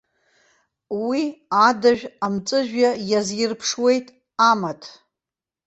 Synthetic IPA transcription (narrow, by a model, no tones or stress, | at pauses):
wiadaʒᶣamt͡sʼɨʒᶣajazjɪrpʰʂwe̞jtʼ | amatʼʰ